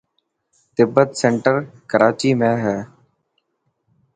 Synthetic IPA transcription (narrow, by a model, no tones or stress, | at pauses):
t̪ɪbːət̪seːɳʈəɾkəɾaːt͡ʃiːmẽːɦɛː